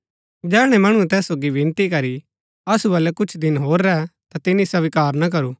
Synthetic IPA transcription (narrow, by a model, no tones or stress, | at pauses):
d͡ʒɛːɽ̃ɛmɐɽ̃ũɛt̪ɛːsːoːɡiʋɪ̃nt̪ikɐɾi | ɐsubɐlɛkʊt͡ʃʰd̪ɪnɦoːɾːɛt̪at̪ɪnːisɐʋɪkaːɾnak̬ɐɾuː